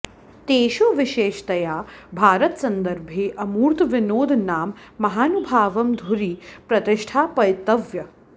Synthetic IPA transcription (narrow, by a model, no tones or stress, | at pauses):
t̪eːʃoːʋɪʃeːʃt̪ɐjaːbʱaːɾɐt̪sɐnd̪ɐɾbʱeːʔɐmuːɾt̪ʋinoːd̪naːmː | ɐɦaːnubʱaːʋɐmd̪ʱuɾiːpɾɐt̪ɪʃʈʰaːpɐjt̪ːɐʋjɐ